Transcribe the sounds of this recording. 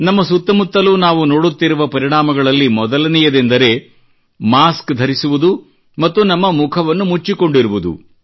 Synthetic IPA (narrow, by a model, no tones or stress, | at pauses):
nɐmːɐsut̪ːɐmut̪ːɐlunaːʋuno̞ːɽut̪ːiɾuʋɐpɐɾiɳaːmɐɡɐɭɐlːimɔd̪ɐlɐnijɐd̪end̪ɐɾe̞ | maːskd̪ʱɐɾisuʋud̪u | mɐt̪ːunɐmːɐmukʰɐʋɐnːumut͡ʃːiko̞ɳɖiɾuʋud̪ṵ